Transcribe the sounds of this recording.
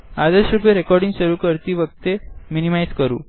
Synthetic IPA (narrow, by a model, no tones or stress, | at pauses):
ad̪esɾupeɾekɔɾɖĩŋɡɕəɾuːkəɾt̪iːʋəɡt̪eminimajd͡zkəɾṵː